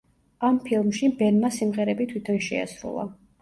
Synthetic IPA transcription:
ampʰilˠmʃibɛnmasimʁɛɾɛbit̪ʰwit̪ʰɔnʃɛ̰a̰sɾṵlˠa̰

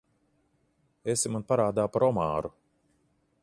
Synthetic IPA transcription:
esimanpaɾaːd̪aːpaɾɔmaːɾu

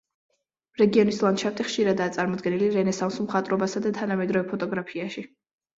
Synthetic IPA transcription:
ɾɛɡiɔnislˠanʃaf̚t̪ʰʼiχʃiɾad̪aːt̪sʼaɾmɔd̪ɡɛniliɾɛnɛsamsumχat̪ʼɾɔbasad̪at̪ʰanamɛd̪ɾɔvɛpʰɔt̪ʼɔɡɾapʰiaʃi

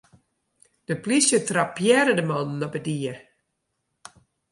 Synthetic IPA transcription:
d̥əplisjətrapːjɛɾədəmɔnn̩ɔbədiə

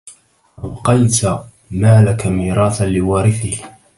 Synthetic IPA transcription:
ʔabqɑjt̪ | maːlakamiːɾˤɑːθalɪwɑːɾɪθɪh

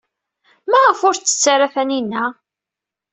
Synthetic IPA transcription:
mæʁəfʊɾt͡sːə̥t͡sːaɾafæninːæ

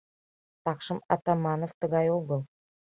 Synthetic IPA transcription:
t̪ɑkʃɤ̆mɑ̰t̪ɑmɑnoft̪ə̆ɣɑjoɡɤ̆lˠ

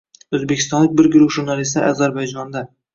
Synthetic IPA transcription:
ɵzbekʲʰɪ̥st̪ɒnlɪk̚ʲbɪɾɡɾʊχʒʊɾnalist̪ɪʔa̰zaɾbajd͡ʒɒnd̪a

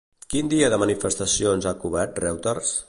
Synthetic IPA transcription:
kind̪iəðəmənifəst̪əsionzakuβɛɾt̪rɛwt̪ərs

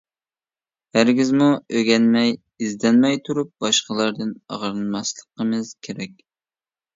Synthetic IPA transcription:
hæɾɡʲizmuøɡʲɛnmɛj | izd̪ɛnmɛjt̪ʰuɾup̚b̥ɑʃqəlˠɑɾd̪ɨnɑ̰ʁɾɨnmɑslˠəqəmɨz̥kʲʰeɾɛkʲ

